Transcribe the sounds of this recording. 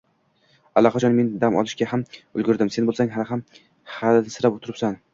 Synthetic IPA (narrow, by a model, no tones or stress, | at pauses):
alˠːɒqat͡ʃʰɒnme̞nd̪amɒ̰lˠɪʃɡʲahamʊlɡʲʊɾd̪ɪmse̞nbolˠsaŋhalɪɦam | halnɪsɪɾapot̪ʰʊɾɪpsan